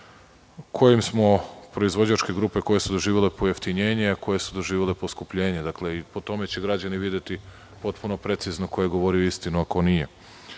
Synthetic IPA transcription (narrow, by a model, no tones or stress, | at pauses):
kʰo̞jimsmo̞pɾo̞izʋo̞d͡ʑat͡ʃke̞ɡɾuːpe̞ko̞je̞sud̪o̞ʒiːʋele̞pojaft̪iɲe̞ːɲeako̞jesud̪oʒiːʋʲele̞poskupʎe̞ːɲed̪akle̞ipo̞t̪o̞me̞t͡ɕeɡɾad͡ʑaniʋid̪jet̪i | po̞t̪puno̞pɾe̞t̪siznoko̞jeɡo̞ʋo̞ɾioist̪inuako̞nije̞